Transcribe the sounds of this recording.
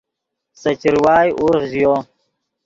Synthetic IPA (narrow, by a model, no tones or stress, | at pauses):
sɐt͡ɕiɾwaːjʔuɾʁzjoː